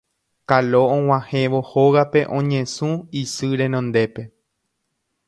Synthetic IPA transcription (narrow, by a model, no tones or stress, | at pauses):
kalo̞õw̃ãhẽʋo̞hoɣape̞ʔõ̞ɲẽ̞sũisɨɾẽ̞nõnd̪e̞pe̞